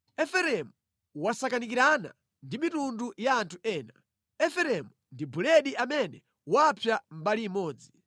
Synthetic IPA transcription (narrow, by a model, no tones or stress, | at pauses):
ɛfɛɾɛmu | wasakanik̬iɾana̰ | ndimitundujaːntʰuʔɛːna | ɛfɛɾɛmundibulɛɗiamɛnɛ | wapʰjam̩baliːmɔːd͡zi